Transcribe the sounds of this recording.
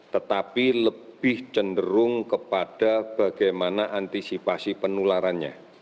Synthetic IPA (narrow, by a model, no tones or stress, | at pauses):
t̪ət̪apiləb̥ɪht͡ʃəndəɾʊŋkəpad̥ab̥aɡajmanaʔant̪isipasipənulaɾanɲa̰